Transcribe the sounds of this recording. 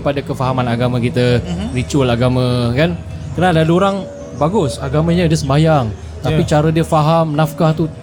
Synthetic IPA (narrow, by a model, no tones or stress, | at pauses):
padakəfaɦamanaɡamãkit̪arit͡ʃuəlaɡamãkan | kənadaluoɾaŋ | baɡʊsaɡamãɲədiəsəmbajaŋ | t̪apit͡ʃaɾədiəfaɦamnafkaht̪u